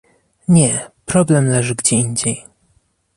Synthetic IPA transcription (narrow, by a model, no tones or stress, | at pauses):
ɲɛpɾɔblɛmlɛʐɘɡd͡ʑɛiɲd͡ʑej